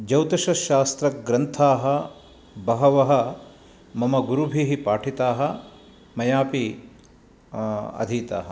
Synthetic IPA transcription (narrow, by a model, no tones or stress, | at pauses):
d͡ʒɐwt̪ɐʃɐʃaːst̪ɾɐɡɾɐnt̪ʰaːɦɐ̆ | bɐɦɐʋɐɦɐ | mɐmɐɡuɾubʱiɦipaːʈʰit̪aːɦɐ | mɐjaːpi | ɐ̰d̪ʱiːt̪a̰ːɦɐ̆